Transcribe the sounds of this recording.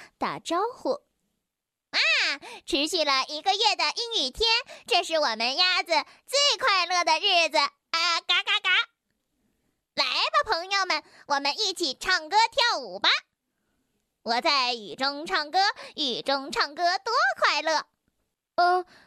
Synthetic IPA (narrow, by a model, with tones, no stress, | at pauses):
t̪a̰˥˩ʈ͡ʂɑ˥ʊxu˥˩ | a˧ʈ͡ʂʰɻ̩˧˥ɕy˥˩lə˩i˧˥ɡə˧ɥɛ˥˩d̪ə˩ʔi˥ny˨˩t̪ʰjɛ˥nʈ͡ʂɤ˥˧ʂɻ̩˥˩wɔ˨˩mə˦nja˥d͡z̩˨t͡swe˥˧ɪkʰwa˥˧ɪlɤ˥˩d̪ə˩ɻ̩˥˩d͡z̩˩ | ə˧ka˥ka˥ka˥ | la˧˥ɪba˧pʰɤ˧˥ŋjo˧ʊmə˨˩n | wɔ˨˩mə˦ni˥˩t͡ɕʰi˨˩ʈ͡ʂʰɑ˥˩ŋkɤ˥t̪ʰjɑ˥˩ʊu˨˩bɐ˧ | wɔ˨˩t͡sa˥˩ɪy̰˨˩ʈ͡ʂʊ˥ŋʈ͡ʂʰɑ˥˩ŋkɤ˥y˨˩ʈ͡ʂʊ˥ŋʈ͡ʂʰɑ˥˩ŋkɤ˥t̪wɔ˥kʰwa˥˧ɪlɤ˥˩˥